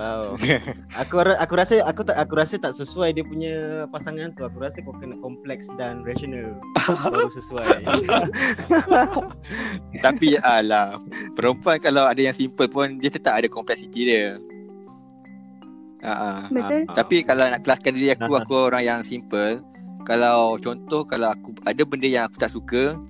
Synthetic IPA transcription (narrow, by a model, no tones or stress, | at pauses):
waw | akuɾaʔakuɾasəakut̪aʔakuɾasət̪aʔsəsuajdiəpuɲapasaŋant̪uakuɾasəkukənakɔmplɛksdanɾad͡ʒonal | akusəsua | t̪apialapəɾəmpuankalawadajaŋsimpəlpʊndiət̪ət̪apadakɔmplɛk̚sit̪idə | ʔa̰ʔaətt̪apikalawnaʔkəlaskandiɾiakuakuoɾaŋjaŋsimpəl | kalawt͡ʃɔnt̪ɔhkalawakuadabəndəjaŋaku̥t̪aʔsukə